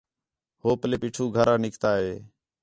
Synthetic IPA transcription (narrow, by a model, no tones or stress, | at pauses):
hoːpəleːpiːʈʰuːɡʱəɾãːnɪkt̪aːɦeː